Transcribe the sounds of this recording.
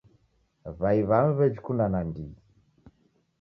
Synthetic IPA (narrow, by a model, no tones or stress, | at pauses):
βaiβamβɛd͡ʒikundanandi